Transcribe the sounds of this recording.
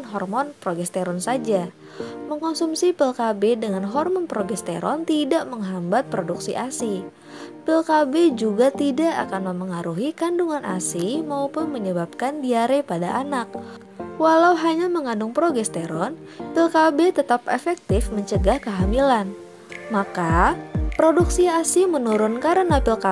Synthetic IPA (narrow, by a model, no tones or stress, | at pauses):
nɦɔrmɔnpɾoɡɛst̪eɾɔnsad͡ʒa | məŋkɔnsumsipɛlkabedəŋanɦɔrmɔnpɾoɡɛst̪ḛɾɔ̰nt̪idaʔməŋɦambat̪̚pɾoduksiʔasi | pəlkabed͡ʒuɡat̪idaʔakanməmpəŋaɾuɦikanduŋanʔa̰simaupʊnməɲəbap̚kandiaɾepadaʔanak̚ | walauɦaɲaməŋandʊŋpɾoɡɛst̪eɾɔn | pilkabɛt̪ət̪apefɛk̚t̪ɪfməɲt͡ʃəɡahkəɦamilan | makapɾoduksiasimənuɾʊnkaɾənapilka